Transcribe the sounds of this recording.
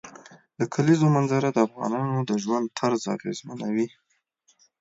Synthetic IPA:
d̪əkʰalizomanzaɾad̪əafɣɑ̰nɑnod̪əʒwand̪̚t̪ʰaɾzɑ̰ɣḛzmanawi

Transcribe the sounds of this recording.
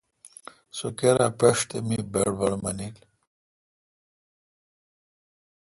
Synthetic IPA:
sokeɾapeʂt̪emibeɽbɐɽmɐnil

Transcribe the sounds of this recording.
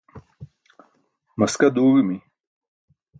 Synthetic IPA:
mɐskɐd̪uːɣimi

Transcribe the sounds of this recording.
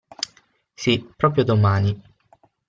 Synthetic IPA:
sipːɾɔːpɾjod̪omaːni

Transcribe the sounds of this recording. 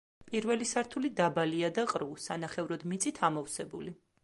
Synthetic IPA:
pʼiɾvɛlisaɾt̪ʰulid̪abaliad̪aqʼɾusanaχɛvɾɔd̪mit̪sʼit̪ʰamɔfsɛbuli

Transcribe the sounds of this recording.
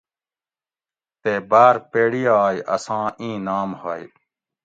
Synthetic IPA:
t̪ebaːɾpeːɽijaːjʔɐsãːĩːnaːmhaːj

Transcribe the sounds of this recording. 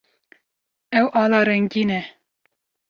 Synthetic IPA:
ɛwʔɑːlɑːɾɛŋɡiːnɛ

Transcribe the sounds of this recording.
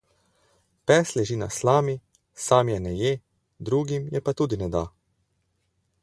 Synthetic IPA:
pɛːslɛʒiːna̰slaːmi | saːmjɛnɛje | d̪ɾuːɡimjɛpat̪uːd̪inɛd̪a

